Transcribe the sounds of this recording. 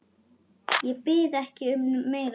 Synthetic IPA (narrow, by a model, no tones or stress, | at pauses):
jɛpɪðɛhcɪʏmnʏːeːɣɾ